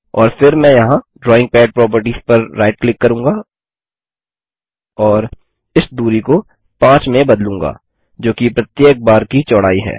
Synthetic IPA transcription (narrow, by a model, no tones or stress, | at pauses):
ɔ̰ːɾfɪɾmɛ̃jɐɦãɖɾɔːɪ̃ŋɡ̚pɛːɖ̚pɾɔːp̬əɾʈiːz̥pɐɾːaːɪʈ̚klɪkːɐɾũːŋɡa | ɔːɾ | ɪsd̪uːɾiko | pãːt͡ʃmẽbɐd̪lũːŋɡa̰ː | d͡ʒoːkipɾɐt̪jeːk̚baːɾkit͡ʃɔɽaːiɦɛ̰ː